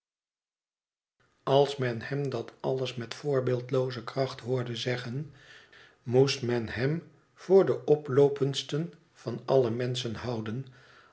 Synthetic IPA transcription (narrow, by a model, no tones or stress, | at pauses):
ɑlˠsmɛnhɛmdɑtɑləsmɛtfʊːɹbɪːlˠtlowzəkrɑχtɦʊːɹdəzɛχən | mustmɛnɦɛm | v̥ʊːɹdəʔɔplowpənstən | v̥ɑnʔɑləmɛnsənhɑwdən